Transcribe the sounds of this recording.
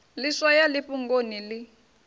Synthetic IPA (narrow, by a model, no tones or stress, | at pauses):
liswajaliɸʼuŋɡonilɪ